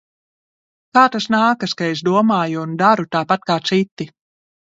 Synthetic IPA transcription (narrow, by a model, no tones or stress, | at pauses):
kaːt̪asnaːkaskaesd̪uɔmaːjuund̪aɾut̪aːpat̪̚kaːt̪sit̪ːi